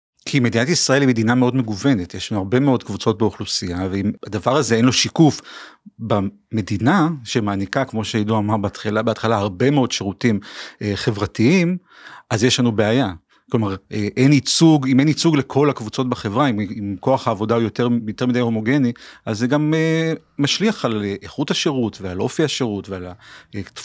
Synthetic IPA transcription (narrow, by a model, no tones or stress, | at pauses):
kʰimed̪inatisʁae̞limed̪iname̞o̞dme̞ɡuve̞netjeʃlanuhaʁbe̞me̞o̞dkvut͡so̞t̚beuχlusiaveimadavaʁaze̞enlo̞ʃikufba | me̞d̪inaʃe̞maːnikakmo̞ʃeaiduamaʁbtχlabeat̪χalahaʁbe̞meodʃeʁutimʔχe̞vʁatiim | ʔazjeʃlanubeaja | klo̞maʁeʔenit͡suɡime̞nit͡suɡle̞kʰo̞lakvut͡so̞t̚baχe̞vʁaimimko̞aχhaːvo̞daojo̞t̪eʁjot̪e̞ʁmidajho̞mo̞ɡeniʔazːeɡameː | aʃliaχaleʔeχuthaʃe̞ʁutvealo̞fiaʃeʁutveala